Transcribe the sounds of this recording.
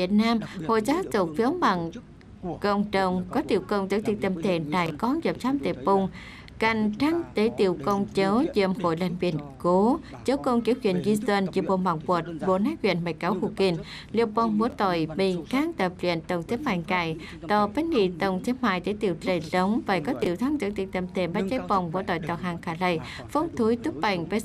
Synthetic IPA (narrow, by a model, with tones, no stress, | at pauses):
vi˨˩ət̚naː˧mho̰˧˨jzaː˨˦zʊ˨˩k̚fi˨˦wma˧˨˩ŋ | kə˧˩wŋ͡mɗə˧˩wŋ͡mkɔ˨˦t̪ḭ˧˨əwkə˧wŋ͡mt̪ɨ˨˧˥t̪ʰi˨˧˨t̪ə˧˩mt̪ʰe˧˩naː˧˩jkɔ˨˦nzə˨˩m̚t͡ɕaː˧˥mt̪ḭ˨˩pʊ˧˩ŋ͡m | ka˧˩jŋ̟t̪ʰaː˧˥ŋt̪e˨˦t̪ḭ˧˨əwkə˧wŋ͡mt͡ɕə˨˦wzḭ˧˨əmho̰˧˨jla˧˩ŋbḭ˧˨ənko˨˦ | t͡ɕə˨˦wko˧ŋki˨˩əwkwḭ˧˨ənzi˧swə˧nt͡ɕi˧˩ɓo̰˧˩ma˧˩ŋvu˨˩t̚ɓo̰˧˨naː˨˥jkwḭ˧˨ənma˨˧˩jka˨˦whu˧˩ki˧˩n | lḭ˧˨əw̚ɓɔ˧˩wŋ͡mmo˧˩˦t̪ɔ˧˩jmi˧˩ŋkaː˧˥ŋt̪ə˨˩p̚lḭ˧˨ənt̪ə˨˩wŋ͡mt̪ʰe˨˦maː˧˩ŋka˧˩j | t̪ɔ˧˩ve˨˦˥nːi˧˨t̪ə˨˧˩wŋ͡mt̪ʰe˨˦maː˧˨jt̪e˨˦t̪ḭ˧˨wlə˧˩lə˨˦wŋ͡mvaː˨˩kɔ˨˦t̪ḭ˧˨əwt̪ʰa˨˧˥ŋzə̰˧˥ŋt̪ḭ˧˩ŋt̪ə˧˩mt̪ʰe˧˩mɓaː˨˦˥t͡ɕə˨˧˦jpə˧˩wŋ͡mɓo̰˧˦t̪ɔ˧˨jt̪ɔ˧˩haː˨˩ŋkaː˧˩lə˧˩j | fə˧˥wŋ͡mt̪ʰu˨˦jt̪u˦˥k̚ɓa˧˩jŋve˨˧˦